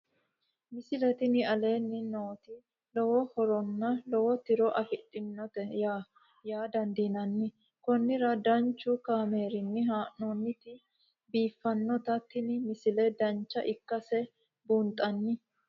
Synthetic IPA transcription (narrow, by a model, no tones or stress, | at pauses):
mɪsɪlɛt̪ɪnɪɐle̞ːnːɪnoːt̪ɪ | lɔwɔhɔɾɔnːɐlɔwɔt̪ɪɾɔʔɐfɪtʼːɪnːɔt̪ɛa | jaːd̪ɐnd̪inɐnːɪ | kɔnːɪɾɐd̪ɐnt͡ʃːʊkaːmeːɾɪnːɪɦaːʔnɔnːɪt̪ɪ | biːfːɐnːɔt̪ɐt̪ːɪnɪmɪsɪlɛd̪ɐnt͡ʃːɐʔɪkːɐsɛ | buːnt̪ʼːɐnːɪ